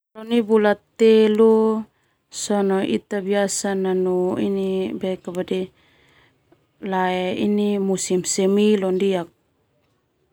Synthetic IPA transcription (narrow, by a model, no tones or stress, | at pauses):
lɔnibulat̪ːɛlu | sɔnɔʔḭt̪abiasananuḭnibɛkabadi | laɛḭnimusimsɛmilɔndiak̚